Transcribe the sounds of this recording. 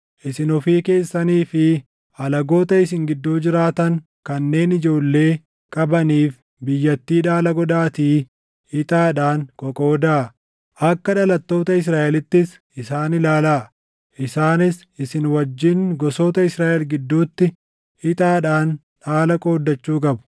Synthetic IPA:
ʔɪsɪnɔfiːke̞ːsːɐniːfɪ | ɐlɐɡo̞ːt̪ɐɪs̬ɪŋɡɪd̪ːuːd͡ʒɪɾaːt̪ɐŋ | kɐnːe̞ːnɪd͡ʒo̞ːlːe̞ː | kʼɐbɐniːf | bɪjːɐt̪ːiːᶑaːlɐɡɔd̪aːt̪iː | hɪt̪ʼaːᶑaːŋkʼɔkʼoːd̪aː | ʔɐkːɐᶑɐlɐt̪ːo̞ːt̪ɐɪs̬ɾaːʔɛlɪt̪ːɪs | ɪsaːnɪlaːlaː | ʔɪsaːnɪs | ɪsɪnwɐd͡ʒːɪŋɡɔso̞ːt̪ɐɪsɾaːʔɛlɡɪd̪ːuːt̪ːɪ | hɪt̪ʼaːᶑaːn | ᶑaːlɐkʼo̞ːd̪ːɐt͡ʃːuːkʼɐbʊ̥

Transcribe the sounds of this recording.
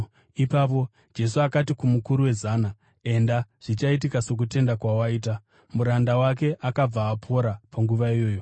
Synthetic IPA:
ipapo̞ | d͡ʒe̞suakatikumukuɾuwe̞zana | e̞ndaʐ̥it͡ʃaitikaso̞k̬ute̞ndakwawaiːt̬a | muɾandawak̬e̞ʔakab͡vaːpʰo̞ɾapaŋɡuʋaijo̞ːjo̞

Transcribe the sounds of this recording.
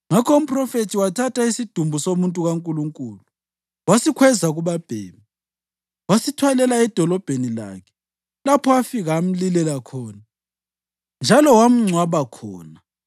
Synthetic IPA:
ŋakʰɔum̩pʼrɔfetʰiwatʰataisid̥ʱumbʱusomuntʼuɣaŋkʼuluŋkʼuːlu | wasikʰwɛzaɣuβab̥ʱḛːmi | wasitʰwalɛlaɛd̥ʱɔlɔb̥ʱenila̰ːkʰɛ̥ | lapʰɔwafiɣaːm̩lilɛlakʰɔːna | nd͡ʒʱalɔwam̩ŋ͡ǀʱwaβakʰɔ̰ːna

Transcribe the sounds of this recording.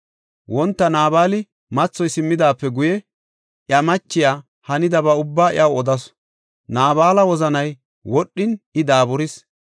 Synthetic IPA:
wɔnt̪ːɐnaːbaːlɪ | mɐt͡sːɔjsɪmːɪd̪aːpːɛɡʊjɛ | ʔjɐmɐt͡ʃːɪjaː | hɐnɪd̪ɐbɐʊbːaːɪ̰ɐwɔd̪ɐs | naːbaːlɐwɔzɐnɐj | wɔɗːɪnɪd̪aːbɔɾɪs

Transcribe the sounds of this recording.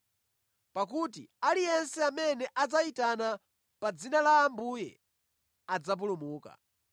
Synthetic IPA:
pak̬ut̬ḭalijɛnsɛamɛnɛʔad͡zaitana | pad͡zinalaːmbujɛ̰ | ad͡zap̬ulumuːka̰

